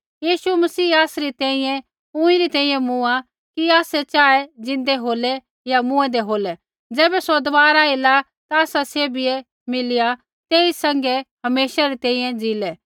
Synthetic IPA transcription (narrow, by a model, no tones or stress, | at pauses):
jiːʃumɐsiːaːsɾit̪ɛ̃ːĩjɛ̃ | ʊ̃ĩɾit̪ɛ̃ːĩjɛ̃mʊa | kiaːsɛt͡ʃaːɛd͡ʒɪ̃nd̪ɛɦoːlɛ | jamũɛ̃d̪eɦoːlɛ | d͡ʒɛːbɛsod̪ɐʋaːɾaela | t̪aːsasebʱiɛ | mɪlɪja | t̪eːisɐ̃ŋɡɛɦɐmeːʃaɾit̪ɛ̃ːĩjɛ̃d͡zilɛ